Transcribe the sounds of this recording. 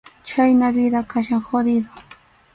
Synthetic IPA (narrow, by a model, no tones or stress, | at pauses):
t͡ʃajnaβɪd̪akaʃaŋxod̪ɪd̪o